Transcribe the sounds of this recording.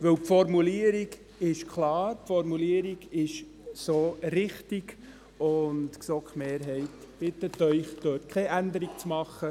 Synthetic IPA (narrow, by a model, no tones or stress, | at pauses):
ʋɵwpfɔɾmuliəɾiɡ | ɪʃkʰlɑːɾpfɔɾmuliəɾiɡɪʃ | soːɾɪχtiɡ | ʊntksɔkχmeːɾɦɛɪtb̥ɪt̪ːətœʏχd̥œːtkʰχɛʔænd̪əɾiɡt͡smɑχːə